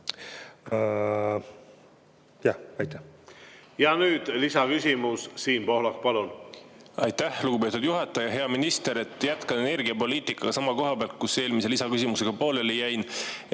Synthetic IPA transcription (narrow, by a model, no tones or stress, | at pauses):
jɑhɑjt̪ːˑæh | jɑnyːd̪̥lisɑkysʲimussiːnpo̞hlɑkpɑlunɑjt̪ːæhluɡupe̞ːt̪ud̪̥juɦɑt̪ːˑɑjɑɦe̞ɑminist̪e̞ɾe̞t̪ːˑjæt̪kɑnene̞rɡiɑpo̞liːt̪ikːˑɑɡ̥ɑsɑmɑko̞ɦɑb̥eɑlt̪̚kuse̞ːlmiselisɑkysʲimuse̞ɡ̥ɑpo̞ːlelejæjn